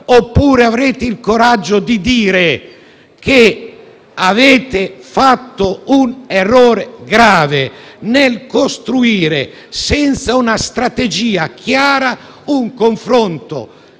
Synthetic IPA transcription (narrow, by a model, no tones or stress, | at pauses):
opːuːɾeavɾeːt̪ɪilkoɾad͡ʒːod̪id̪iːɾe | ke | aveːt̪ɪfat̪ːounerːɔːɾeɡɾaːvenelkost̪ɾuiːɾḛ | sɛnt̪saunast̪ɾat̪ed͡ʒiːak̟ʰjaːɾa | uŋkoɱfɾont̪o̰